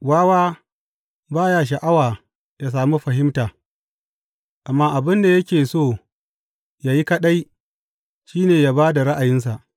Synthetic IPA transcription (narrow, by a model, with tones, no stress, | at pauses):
waː˦waː˦ | baː˦jaː˦ʃ̬a˨ʔa˦waː˨ | ja˨s̬aː˨mu˦ɸɐ˨ɦɪ˦mtaː˨ | ʔa˨mːaː˦ʔa˨bɪ˦nda˨jɐ˦kʲeː˨soː˦˨ | jaː˨ji˦kɐ˦ɗa˦j | ʃiː˦neː˨jaː˦baː˦da˨ɾa˦ʔa˨jɪ˦ns̬a˨ʔ